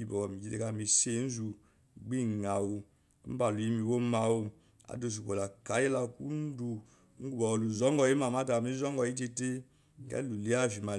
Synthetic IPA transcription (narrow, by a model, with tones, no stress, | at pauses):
i˨bɔ˨kɔ˨mi˨d͡ʒi˦te˨ka˦˨mi˨se˦˨˦n̩˦zu˨ | ɡ͡bi˦˨ŋa˨wu˨˦ | ba˨lu˨i˦mi˨wo˦ma˨wu˦ | a̰˨do˨s̬u˨ko˨la˨ka˨˦e˦la˧˨ku˦n˦du˨˦ | ŋ̩˦ɡu˦bɔ˨wlu˨zɔ˦ŋɡɔ˨ji˦ma˨ma˦ta˨mi˦zɔ˦ŋ˦ɡɔ˨ji˦t̬e˧te˦˨ | kɛ̰˦lu˨li˦a˦˨fi˨ma˨